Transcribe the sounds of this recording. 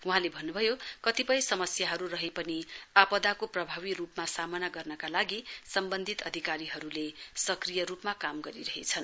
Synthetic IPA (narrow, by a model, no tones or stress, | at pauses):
wuɦãlebʱʌnːubʱʌjokʌt̪ipʌj̃sʌmʌsjaɦʌɾurʌɦepʌniapʌd̪akoprʌbʱaβirupmasamʌnaɡʌrnʌkalaɡisʌmbʌnd̪ʱit̪ʌd̪ʱikaɾiɦʌɾulesʌkrijʌɾupmakamɡʌɾiɾʌɦḛt͡sʰʌn